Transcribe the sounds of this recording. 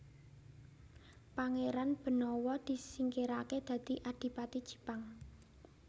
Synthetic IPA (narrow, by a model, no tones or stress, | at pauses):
paŋeɾanb̥ə̤nɔwɔd̪̥i̤siŋkeɾaked̪̥a̤d̪̥i̤ʔad̪̥i̤pat̪id̥ʒ̥i̥̤paŋ